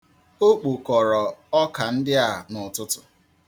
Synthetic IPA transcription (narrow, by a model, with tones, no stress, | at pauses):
o˦k͡pu˨kɔ˨ɾɔ˨ɔ˦ka˨n̩˦dɪ˦a˦˨nʊ˨tʊ˦tʊ̥˨